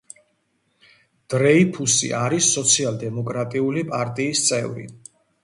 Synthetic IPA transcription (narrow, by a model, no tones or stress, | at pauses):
d̪̥ɾɛipʰusḭʔaɾisːɔt̪sʰialˠd̪ɛmɔkʼɾat̪ʼiulipʼaɾt̪ʼiːst̪sʼɛvɾḭ